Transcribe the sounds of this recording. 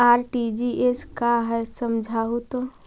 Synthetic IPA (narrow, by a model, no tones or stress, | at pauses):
aːɾʈid͡ʒiʔeskaɦɛsəmd͡ʒʱaɦut̪o